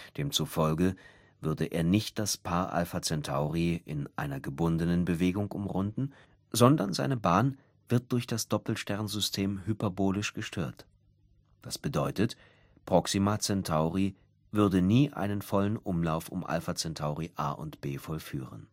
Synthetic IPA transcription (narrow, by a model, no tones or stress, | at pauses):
d̥eːmt͡sufɔlɡə | vʏɐdəʔeːɐnɪçt̚d̥aspʰaːɐʔa̰lfat͡sɛntʰa̰ʊʁiɪ̰nʔa̰ɪnɐɡəbʊndənənbəveːɡʊŋʔʊmʁʊndn̩ | zɔndɐnzaɪnəbaːn | v̥ɪɐt̚d̥ʊɐçd̥asd̥ɔpl̩ʃtɛɐnzʏstʰeːmhypɛɐboːlɪʃɡ̥əʃtʰøːɐt | d̥asb̥ədɔʏtət | pʁ̥ɔksimat͡sɛntʰaʊʁi | vʏɐdəniːʔa̰ɪnənfɔlənʔʊmlaʊfʊmʔa̰lfat͡sɛntʰaʊʁiʔa̰ːʔʊ̰ntb̥eːfɔlfy̰ːʁə̰n